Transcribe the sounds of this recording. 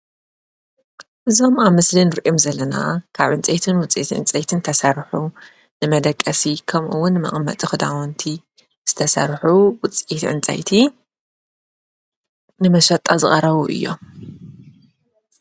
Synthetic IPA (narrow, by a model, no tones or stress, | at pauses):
ʔɨzo̞maβmɨslinɨɾʔomzɐlːɐna̰kʰaβʕɨnt͡sʼɐjt̪ʰɨnwʊt͡sʼit̪ʕʔɨ̰nt͡sʼɐjt̪ʰɨnt̪ʰɐsɐɾħu | nɨmɐd̪ɐkʼːɐsikʰɐmʔɨwːʊnːɨmɐ̰χʼmɐ̰t̪ʼɨxɨd̪awɐnt̪ʰi | z̥ɨt̪ʰɐsɐ̰ɾħuwʊt͡sʼit̪ʕɨ̰nt͡sʼɐ̰jt̪ʰi | nɨmɐʃɐt̪ʼazɨχʼɐɾɐβuʔɨ̰jːo̞̰